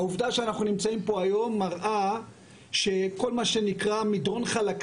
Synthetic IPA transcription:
auvdaʃeanaχnunimt͡saimpo̞ajo̞mːaʁʔa | ʃe̞ko̞lmaʃe̞nikʁamidʁo̞nχalak

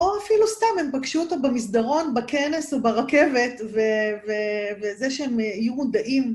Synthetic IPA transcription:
o̞afilustamhe̞mpakʃuot̪obamisd̪aʁo̞nbakene̞sobaʁake̞ve̞tvevevezeʃeemijumud̪aʔim

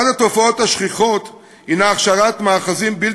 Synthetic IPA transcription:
adat̪o̞fao̞thaʃχiχo̞t̪ | hinaːχʃaʁat̪maːχazimbil

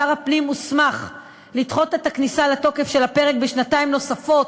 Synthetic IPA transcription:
aʁapnimusmaχ | lit̪χo̞tet̪aknisalato̞ke̞fʃe̞lape̞ʁe̞kbeʃnataimno̞safo̞t

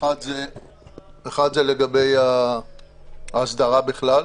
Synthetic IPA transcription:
ad̪ze | eχad̪zeleɡabeja | aːsd̪aʁabiχlal

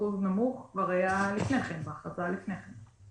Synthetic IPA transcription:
uznamuχkvaʁajalifneχemvaχat͡salifneχem

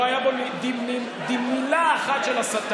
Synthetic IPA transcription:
ajabomid̪ii | d̪imːilaːχat̪ʃelasat̪

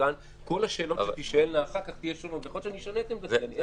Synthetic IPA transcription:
an | ko̞laʃe̞ːloʃet̪iʃaelnaːχaʁkaχt̪ijeʃolot̪veχolʃeniʃanet̪embaen

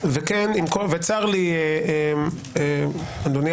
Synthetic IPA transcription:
vekenimkovet͡saʁlieem | eand̪oni

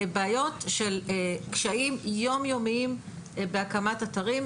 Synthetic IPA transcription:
beajo̞tʃelkʃaimjo̞mjo̞miim | beakamatataʁim

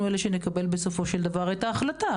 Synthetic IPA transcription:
ueleʃenekabe̞lbe̞so̞fo̞ʃeld̪avaʁajt̪aːχlat̪a

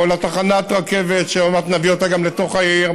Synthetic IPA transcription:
olat̪aχanat̪ʁake̞vet̪ʃeamat̪naviot̪aɡamle̞t̪o̞χaiʁ

